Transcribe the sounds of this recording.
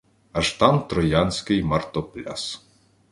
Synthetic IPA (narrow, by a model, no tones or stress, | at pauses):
ɐʒt̪ɑmt̪ɾɔjanʲsʲkɪjmɐrt̪ɔplʲa̰s